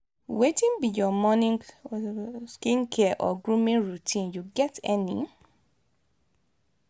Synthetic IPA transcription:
wetĩnbijɔmɔnĩŋ | skĩnkʰɛʔɔ̰ɡɹũmĩnɹutʰĩnjuɡɛtɛnḭ̃

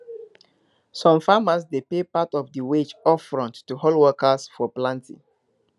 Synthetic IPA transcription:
sɔ̃mfamasdepepatɔvdəwed͡ʒɔfɹɔ̃ntːuɦolˠwɜkəsfɔplãntḭ̃

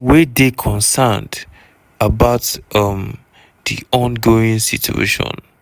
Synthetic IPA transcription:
wedekʰɔ̃nsand | abaʊtʌm | dḭɔ̃nɡoĩŋsḭtʰṵḛʃɔ̰̃n

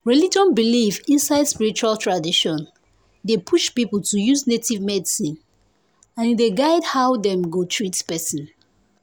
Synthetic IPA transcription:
ɹɛlid͡ʒɔ̃nbilifĩnsaɪdspiɹit͡ʃualtʰɹadiʃɔ̃n | depʰuʃpipəltʰujuznetivmɛdisĩn | ãndeɡaɪdhaʊdɛ̃mɡotʰɹitpɛsĩn

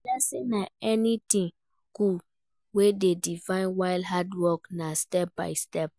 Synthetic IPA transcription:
lɛsĩnaɛnitĩn | ku | wededifãɪ̃nwaɪldɦadwɔknastɛp̚ba̰ɪstɛp̚

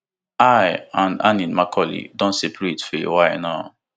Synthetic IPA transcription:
ajãna̰ninmakʰɔlḭdɔ̃nsepɹitfewajnaʊ

